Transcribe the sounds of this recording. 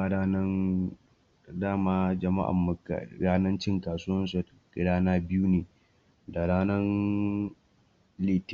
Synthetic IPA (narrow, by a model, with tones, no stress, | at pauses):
a˦aː˦nɐ˦n | daː˦maː˦d͡ʒɐ˨ma̰˦ʔa̰˨mːa̰˨ɾaː˦nɐ˦nt͡ʃɪ˦ŋkaː˨sʊ˦wɐ˦nsu˨ɡ̥ɪ˨ɽaː˦naː˦bɪ˦ju˦neː˨ | da˨ɽaː˦nɐ˦n | liː˦˨t